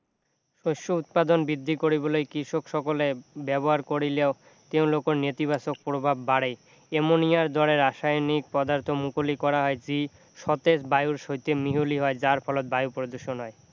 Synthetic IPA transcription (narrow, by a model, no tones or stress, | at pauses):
ʃoʃout̪̚pad̪onbid̪ʱːikoɾibolejkɾiʃokʃɔkolebɛboɦaɾkoɾileo | t̪ewlokoɾnet̪ibasok̚pɾobʱabːaɽej | emonijaɾd̪ɔɽeɾaʃajonik̚pɔd̪aɾt̪ʰomukolikɔɾaɦɔed͡ʑi | ʃɔt̪esbajuɾʃojt̪emiɦuliɦɔed͡ʑaɾfʰɔlot̪̚bajupɾod̪oɾʃonɦɔe